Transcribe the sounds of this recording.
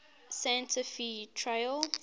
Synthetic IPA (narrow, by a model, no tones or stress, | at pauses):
sajə̃ntʰəfitʰɹajl